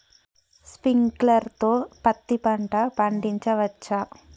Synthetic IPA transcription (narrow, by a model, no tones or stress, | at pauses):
spiŋklərt̪opat̪ːipaɳʈapaɳɖiɲt͡ʃaʋat͡ʃa